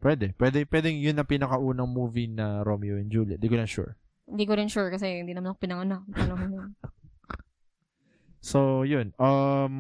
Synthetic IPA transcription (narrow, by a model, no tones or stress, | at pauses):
pwɛd̪ɛpwɛd̪ɛŋpwɛːd̪ɛŋjʊnːɐŋpɪnɐkɐʔuːnɐŋmuːvinɐɾomjoɛnd͡ʒuːliɐ̰d̪iːkonɐnʃṵɹ | hɪnd̪iːkoɾɪnʃuɹkɐs̬ɛhɪnd̪iːnɐmanɐkpɪnɐŋɐnak̪̚anɐmanjɐn | sojʊnʔɐm